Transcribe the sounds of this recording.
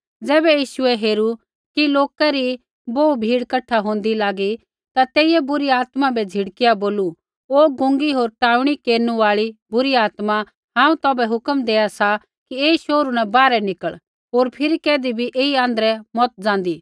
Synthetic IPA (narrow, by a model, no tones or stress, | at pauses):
d͡zɛːbɛjiːʃʊɛɦeːɾu | kiloːkaɾi | boːubʱiːɽkɐʈʰːaɦõːn̆d̪ilaːɡi | t̪at̪eːiɛbʊɾiaːt̪mabɛd͡zʱɪɽkijaboːlu | oːɡʊ̃ŋɡiɦoːɾʈaːuɽ̃ikeːɾnuaːɭibʊɾiaːt̪ma | ɦãːũt̪ɔːbɛɦʊkəmd̪eːasa | kieːiʃoːɾunɛ̃baːɾɛnɪkəɭ | ɦoːɾpʰɪɾikɛːd̪ibʱiʔeːiãːnd̪əɾɛmɔt̪̚d͡zãːnd̪iː